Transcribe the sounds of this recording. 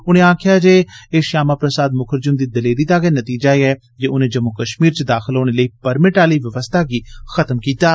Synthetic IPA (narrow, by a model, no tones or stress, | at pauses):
ʊñẽːãːkʰɪjaːd͡ʒeːeːʃaːmaːpɾəsaːd̪mʊkʰəɾd͡ʒʊnd̪iːd̪əleːɾiːt̪aːɡɛːnət̪iːd͡ʒaːeːɛː | d͡ʒeːʊnẽːd͡ʒəmːʊkəʃmiːɾt͡ʃd̪aːxʰɪlɦoːɽ̃eːləiːpəɾmɪʈaːliːʋəʋəst̪ʰaːɡiːxət̪mkiːt̪aː